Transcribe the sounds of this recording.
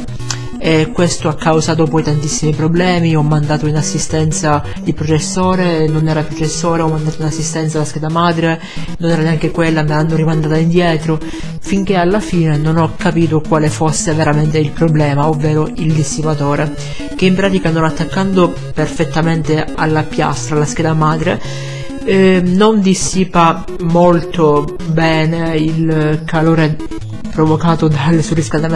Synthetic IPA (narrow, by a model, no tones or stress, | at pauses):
ekːwest̪oakʰːawzaːt̪̬opɔjt̪ant̪isːimipɾoblɛːmiɔmːand̪aːt̪oinasːist̪ɛnt̪sa | d̪ipɾot͡ʃesːoːɾenonɛːɾapɾot͡ʃesːoːɾeɔmːand̪aːt̪oinasːist̪ɛnt̪salːaskɛd̪amaːd̪ɾe | nonɛːɾaneaŋk̟ekwelːameanːoɾimand̪aːt̪aind̪jɛːt̪ɾo | fiŋk̟ealːafiːnenonɔkːapiːt̪okwaːlefosːeveɾament̪eilpɾoblɛːmaovːeːɾoild̪isːipat̪oːɾe | k̟eimpɾaːt̪ikanonat̪ːakːand̪o | perfet̪ːament̪ea̰lːapja̰st̪ɾaːlːask̟ɛːd̪amaːd̪ɾe | nond̪isːiːpa | molt̪o | bɛːneilkʰaloːɾe | pɾovokaːt̪od̪alsurːiskald̪am